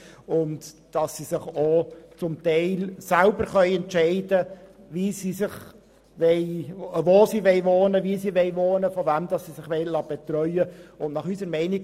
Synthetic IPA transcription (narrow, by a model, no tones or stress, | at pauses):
ʊntd̥ɑsːisɪχot͡sʊmtɛɪlsælbəɾχœʏɛntt͡ʃɛɪdəvisiːsɪχ | ʋɛɪvoːsiːʋɛɪʋoːnəviːsiːʋɛɪʋoːnəfɔvæmd̥ɑsːisɪχʋɛɪlɑːb̥ɛtɾœʏəʊnnɑχysəɾmɛɪni